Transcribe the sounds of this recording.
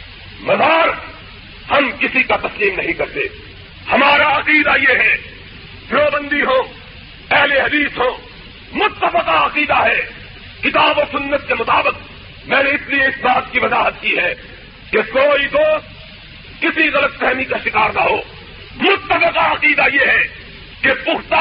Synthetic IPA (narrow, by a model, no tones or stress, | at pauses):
mɐzaːɾ | hɐmkɪsikat̪ɐsliːmnɐɦĩkɐɾt̪ḛː | hɐmaːɾaɐqiːd̪ajeːɦɛ | pɾoːbə̃nd̪iɦõː | ɛɦleɦɐd̪iːsɦõː | mʊt̪ːəfɪqaɐqiːd̪aɦɛ | kɪt̪aːboːsʊnːət̪̚kemʊt̪aːbɪq̚ | mɛ̃ːneɪslieɪsbaːt̪kiʋɐzaːɦət̪̚kiɦɛː | kekoːid̪oːst̪ | kɪsiɣɐlət̪̚kɛɦmikaʃɪkaːɾnaɦoː | mʊt̪ːəfɪqaɐqiːd̪ajeɦɛ | kepʊɦt̪a